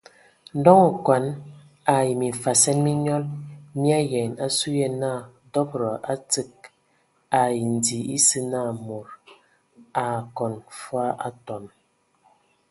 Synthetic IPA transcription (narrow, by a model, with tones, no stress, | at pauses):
n̩˦dɔ˦ŋɔ˨kwa˨n | a˨ji˨mi˨fa˨sɛ˦nmi˦ɲɔ˦lmi˦a˦jɛ˨na˦su˦jɛ˦na˦˨ | dɔ˦bɾɔ˨ʔa˦t͡sɨ˦k̚ | a˨ji˨n̩˨di˨i˦sɨ˦na˦˨mo˨ɾ | a˨kɔ˨nfwa˦ʔa˦tɔ˨n